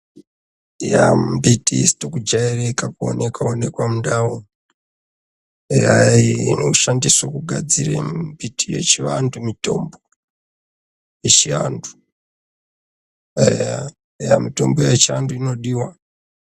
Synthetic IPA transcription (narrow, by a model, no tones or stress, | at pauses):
jambitisi̥tokud͡ʒaerekakuo̰nekwaone̞kwamundawo | jaineuʃandiswokuɡʱa̰d͡zirḛbitʰije̞̰t͡ʃiʋandumito̞̰mbo̞ | jet͡ʃia̰ndu̥ | ja | jamito̞mbo̞jet͡ʃianduino̞ɗiwa